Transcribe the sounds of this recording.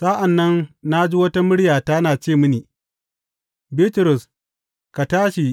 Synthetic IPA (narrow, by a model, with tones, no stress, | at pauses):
sa˦ʔa˨nːɐ˦nna˦d͡ʒi˦wɐ˦ta˦mʊ˦ɽjaː˨ta˦naː˨t͡ʃeː˦˨mʊ˦niː˨ | bi˦tʊ˨ɾʊ˨s | ka˨taː˦ʃi˨